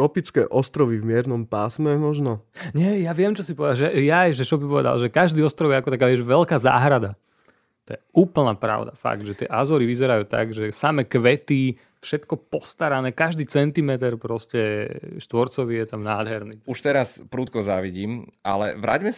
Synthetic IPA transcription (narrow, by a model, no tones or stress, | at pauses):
ɔpit͡skɛ̰ːʔɔst̪ɾɔʋivmɪɛɾnɔmpaːsmɛmɔʒnɔɲɛjaʋɪɛmt͡ʃɔsipɔʋɛd̪aʒɛjajʒɛt͡ʃɔbipɔʋɛ̰d̪a̰lʒɛkaʒd̪iːɔst̪ɾɔʊjɛakɔt̪akaːʋɛʒʋɛlkaːza̰ːɦɾad̪a | t̪ɔjɛuːpl̩napɾa̰ʊd̪afa̰ɡ̚d̪ʒɛt̪ɪɛ̰ʔazɔɾiʋizɛɾajuːt̪a̰ɡʒɛsamɛkʋɛt̪i | fʃɛt̪kɔpɔst̪aɾanɛːkaʒd̪iːt͡sɛnt̪imɛt̪ɛɾpɾɔscɛʃt̪ʋɔɾt͡sɔʋijɛt̪amnaːd̪ɦɛɾniuʃt̪ɛɾaspɾuːt̪̚kɔza̰ʋiɟiːmʔa̰lɛ̰ʋɾʔa̰ːɟmɛs